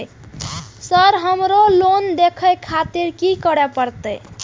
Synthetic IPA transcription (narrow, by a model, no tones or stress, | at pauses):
səɾɦəmɾolond̪ekʰəjkʰat̪iɾkikəɾɛpəɾt̪əj